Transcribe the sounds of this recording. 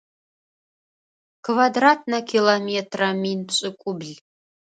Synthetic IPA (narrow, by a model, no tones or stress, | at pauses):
kʰvadrat̚ʰnɐkʰʲilˠometʰraminpʰɕʼɪkʷʼubɮ